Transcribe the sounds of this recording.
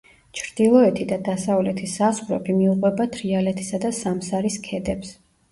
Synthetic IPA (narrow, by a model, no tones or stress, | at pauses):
t͡ʃʰɾd̪̥ilˠɔɛt̪ʰid̪ad̪asavlɛt̪ʰisazχɾɛ̰pʰimiuqʼwɛbat̪ʰɾialɛt̪ʰi̥sad̪asamsaɾiskʰɛd̪ɛps